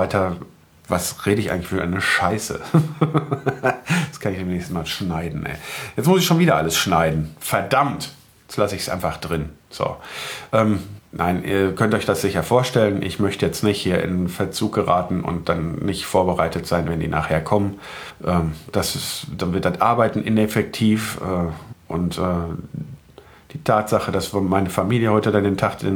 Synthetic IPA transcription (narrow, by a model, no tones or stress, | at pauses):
aɪtʰɐ | vasʁeːdəɪçʔa̰ɪɡŋ̩lɪ̥çfyːɐʔa̰ɪnəʃaɪsə̰ | skʰanɪçd̥eːmnɛːçstn̩maːlʃnaɪdn̩ʔɛ̰jɛt͡smʊsɪçʃoːnviːdɐʔa̰ləsʃnaɪdn̩fɛɐdamt | jɛt͡stlasəɪçsʔa̰ɪnfaχd̥ʁɪnz̥o̰ːʔɛːmna̰ɪnʔḭːɐkʰœntʔɔʏçd̥asz̥ɪçɐfoːɐʃtɛlənʔɪ̰çmœçtəjɛt͡stnɪçthiːɐʔɪ̰nfɛɐt͡suːk̚ɡ̥əʁaːtn̩ʔʊ̰nt̚d̥anːɪçtfoːɐbəʁaɪtətz̥aɪnvɛndḭːnʔa̰ːχheːɐkʰɔmən | ʔɛːmd̥asɪsd̥anvɪɐdatʔaɐbaɪtn̩ʔɪnɛfɛk̚tʰiːfɛːʔʊ̰ntʔɛː | d̥iːtʰaːtz̥aχədasvmaɪnəfamiːljəhɔʏtədandeːntʰaχd̥ɪ̰n